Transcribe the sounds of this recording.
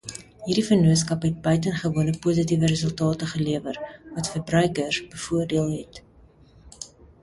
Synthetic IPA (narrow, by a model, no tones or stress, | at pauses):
ɦiːɾdifərnuətskɐpɦɛt̚bœɥtənχəvuənəpuːzitivəɾəzəlˠtɑːtəχəliəvərvɐtfərbrœɥkərbəfuərdiəlˠɦɛt